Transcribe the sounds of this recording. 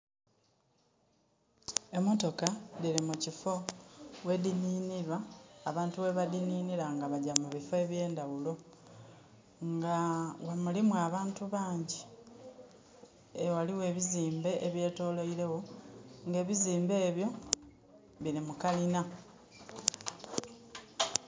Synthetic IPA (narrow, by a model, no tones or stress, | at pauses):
emo̞to̞kadiɾimucifo̞we̞diniːniɾwaːβaːntuwe̞βadiniːniɾaŋɡaβaɟamuβifoeβje̞ːndaɣulo̞ | ŋɡawamulimwaβaːntuβaːɲɟi | ewaliwe̞ːβiziːmbe̞ʔeβjeːto̞ːlo̞iɾe̞wo̞ŋɡe̞ːβiziːmbe̞ːβjo̞ | βiɾimukalina